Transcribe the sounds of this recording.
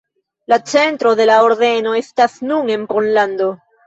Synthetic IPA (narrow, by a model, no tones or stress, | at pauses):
lat͡se̞ntɾo̞ðe̞lao̞ɾðe̞no̞e̞stasnune̞npo̞nlando̞